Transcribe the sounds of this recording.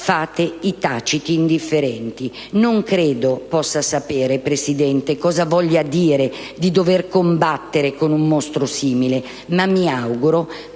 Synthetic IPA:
faːt̪eit̪aːt͡ʃit̪iːnd̪ifːeɾɛnt̪i | noŋkɾeːd̪opɔsːasapeːɾepɾesid̪ɛnt̪ekɔːzavɔʎːad̪iːɾe | d̪id̪overkombat̪ːeɾekonumːost̪ɾosiːmile | mamːiawɡuɾo

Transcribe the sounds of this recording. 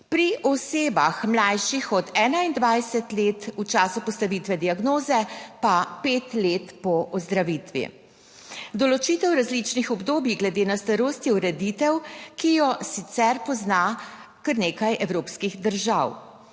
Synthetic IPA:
pɾiʔɔseːba̰xmlajʃixɔd̪ɛːnaind̪ʋajsɛt̪leːt̪ut͡ʃaːsupɔst̪aʋit̪ʋɛd̪iaɡnoːzɛpapeːt̪let̪pɔʔɔzd̪ɾaʋit̪ʋḭ | d̪ɔlɔt͡ʃiːt̪ɛwɾazlit͡ʃnixɔbd̪oːbjiɡlɛd̪eːnast̪aɾoːst̪jiuɾɛd̪it̪ɛwkijɔsit̪sɛɾpɔznakəɾneːkajʔɛwɾoːpskiɣd̪əɾʒaw

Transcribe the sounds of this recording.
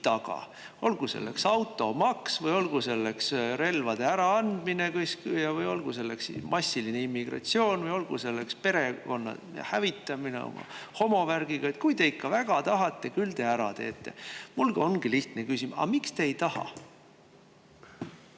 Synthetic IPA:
t̪ɑɡ̥ɑ̰ | o̞lɡ̥use̞̰lːe̞̰ksɑwt̪ːˑo̞mɑksvɤjo̞lɡ̥use̞lːe̞ksɾe̞lvɑd̪̥e̞æɾɑɑnd̪̥minekɤskjɑvɯjo̞lɡ̥use̞lːe̞ksimʔɑsʲːiline̞imːiɡ̥rɑ̰t̪sio̞ːnvɯjo̞lɡ̥use̞lːekspe̞ɾe̞ko̞nːɑ̰jɑ̰hævit̪ːˑɑminḛo̰mɑ̰ho̞mo̞værɡ̥iɡ̥ɑet̪̚kujd̪e̞ikːɑvæɡ̥ɑt̪ɑɦɑt̪ːˑe̞kylt̪e̞æɾɑt̪e̞̰ːt̪ːe̞̰mulɡ̥ɑo̞nɡ̥iliht̪nekysʲimɑ̰mikst̪e̞ːjt̪ɑhɑ̰

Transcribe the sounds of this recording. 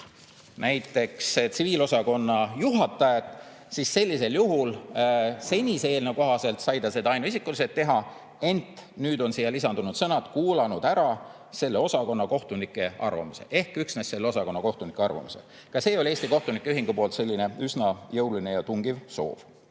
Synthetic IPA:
nʔæjt̪ːˑe̞kst̪siviːlo̞sɑko̞nːɑjuɦɑt̪ːˑɑjet̪ˑ | sisse̞lʲːise̞ljuɦul | se̞nʲiseːlneko̞ɦɑse̞lt̪sɑjd̪ɑse̞d̪ɑɑjnuisikːˑuliset̪ːe̞ɦɑ | e̞nt̪nyːd̪o̞nsijːɑlisɑnd̪̥unud̪sɤnɑd̪̥kuːlɑnud̪̥æɾɑ | se̞lːe̞o̞sɑko̞nːɑko̞ht̪unikːˑe̞ɑ̰rvɑ̰muse̞̰ʔe̞hkyksnæsːe̞lːeo̞sɑko̞nːɑko̞ht̪unikːˑeɑrvɑ̰muse | kɑse̞ːo̞lʲie̞ːsʲt̪iko̞ht̪unikːˑeyɦiŋɡ̥upo̞ːlt̪se̞lʲːine̞ysnɑjɤwline̞jɑt̪uŋɡ̥ivso̞̰ːv̥

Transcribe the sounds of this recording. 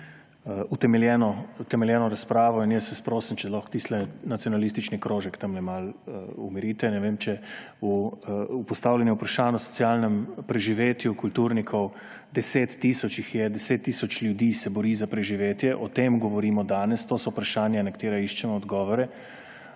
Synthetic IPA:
ut̪ɛmɛljɛnɔut̪ɛmɛljɛːnɔɾaspɾaːʋɔinjɛsɛspɾoːsənt͡ʃɛlɔxkt̪iːslɛnat̪sijɔnalis̬t̪it͡ʃnikɾoːʒɛkt̪ɐmlɛmalumiɾiːt̪ɛnɛʋeːmt͡ʃɛ | uː | pɔst̪aːwlʲjɛnjɛupɾaʃaːnɔsɔ̥t̪siaːlnɛmpɾɛʒiʋeːt̪jukult̪uɾnikʰɔw | d̪ɛseːt̪ːiːsɔt͡ʃixjɛd̪ɛseːt̪ːiːsɔt͡ʃljud̪iːsɛbɔɾiːzapɾɛʒiʋeːt̪jɛʔɔt̪emɡɔʋɔɾiːmɔd̪aːnɛst̪oːsɔpɾaʃaːnjanɛkt̪eːɾaiʃt͡ʃɛmɔd̪ɡɔːʋɔɾɛ

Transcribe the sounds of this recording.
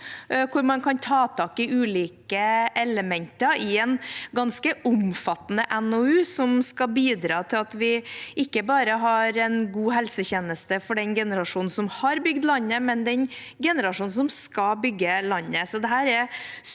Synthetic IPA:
kʰʊɾmɑnkʰɑnt̪ʰɑːt̪ʰɑːkɪʉːliːkəʔɛləmɛnt̪əɪɛnɡɑnskəʔʊmfɑt̪ːnəʔɛnoʉːsɔmskɑbiːd̪ɾɑːt̪ʰɪlɑt̪ʋɪʔɪkːəbɑːɾəɦɑɾɛnɡuːɦɛlsəçeːnəst̪əfɔɖɛnɡɛnəɾɑʂuːn̩sɔmhɑɾbʏɡd̪lɑnːəmɛnd̪ɛn | ɡɛnəɾɑʂuːn̩sɔmskɑbʏɡːəlɑnːəsɔd̪ɛɦæːɾɛɾ

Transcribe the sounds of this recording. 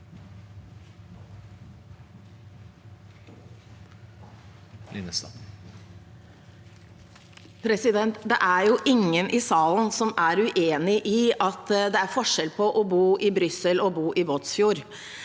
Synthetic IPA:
lɪ̰nəs | pʰɾɛsɪd̪ɛnt̪d̪ɛ̰ʔæɾjuːʔɪŋənʔɪsɑːln̩sɔmæɾʉʔeːnɪʔiɑt̪d̪ɛæɾfɔʂɛlpʰɔʔɔbuːʔɪbɾʏsəlɔbuːʔɪʋoːt̪sfjuːɾ

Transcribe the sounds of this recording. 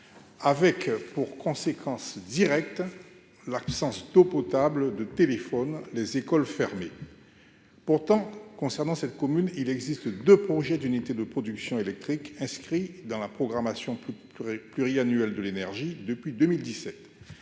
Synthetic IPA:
avɛkpuʁkʰɔ̃sekʰɑ̃sd̪iʁɛk̚t̪ | lapsɑ̃sd̪̥opɔt̪abld̪ət̪elefɔnlezekɔlfɛʁme | puʁt̪ɑ̃kɔ̃sɛʁnɑ̃sɛt̪kɔmynilɛɡzist̪d̪øpχɔʒɛd̪ynit̪ed̪əpχɔd̪yksjɔ̃elɛk̚t̪χikɛ̃skχid̪ɑ̃lapχɔɡʁamasjɔ̃p | plyʁianyɛld̪əlenɛʁʒid̪əpɥid̪ømild̪isɛt̪

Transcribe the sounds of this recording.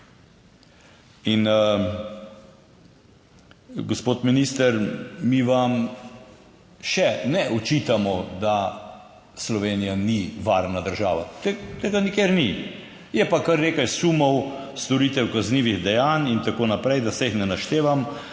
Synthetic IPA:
in | ɡospoːt̪minist̪əɾmiʋam | ʃɛnɛʔɔt͡ʃit̪amɔd̪a | slɔʋeːnijaniʋaɾnad̪əɾʒaːʋa̰t̪et̪eːɡanikeːɾni | jɛpakaɾneːkajsumɔwst̪ɔɾit̪ɛwkazniːʋiɣd̪ɛjaːnint̪akoːnapɾɛjd̪asɛixnɛnaʃt̪eːʋam

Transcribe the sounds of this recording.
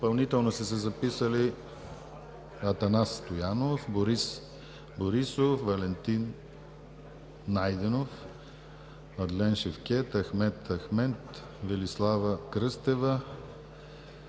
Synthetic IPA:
pɐlˠnit̪ɛlˠnosɛs̬ɛzɐpisəli | ɐt̪ɐnasːt̪ojanofboɾis | boɾisofvɐlɛnt̪in | ajd̪ɛnof | ɐd̪lɛnʃɛfkʲɛt̪ɐxmɛt̪ʰɐxmɛt̪ | vɛlislˠavɐkɾɤst̪ɛvə

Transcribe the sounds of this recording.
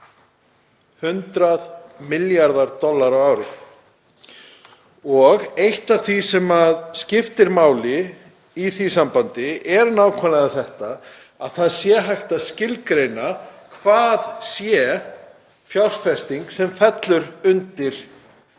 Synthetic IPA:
hʏnt̪ɾaðmɪljaɾðaɾt̪ɔlːaɾawaːwɾɪ | ɔɣejht̪av̥θvisɛmaðscɪft̪ɪɾmaːwlɪ | iθisampant̪ɪɛɾnaːwkʰɛnaðaθɛht̪a | aðθaðsjɛɦajxt̪aðscɪlkɾejnakʰvaːðsjɛ | fjawr̥fɛst̪iŋksɛmfɛt̪lʏɾʏnt̪ɪɾ̥

